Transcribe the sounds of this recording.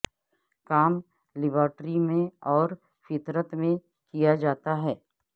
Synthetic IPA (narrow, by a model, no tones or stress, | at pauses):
kaːm | lɪbəːɾʈɾimẽɔːɾ | fɪt̪ɾət̪mẽ | kijad͡ʒaːt̪aɦɛː